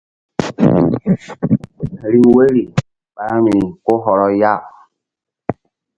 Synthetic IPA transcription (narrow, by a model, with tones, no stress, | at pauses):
ɾi˨˦we˦ɾi˨ | ba˨˦mi˨i˨ko˦ɦɔ˨ɾɔ˦ja˦˨